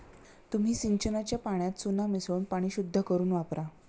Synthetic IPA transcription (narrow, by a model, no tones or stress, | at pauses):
t̪um̤iːsiɲt͡ɕənat͡ɕjapaɳ̃jat̪sunamisɭuːnpaɽ̃iːɕud̪ʱːəkəɾuːnʋapɾa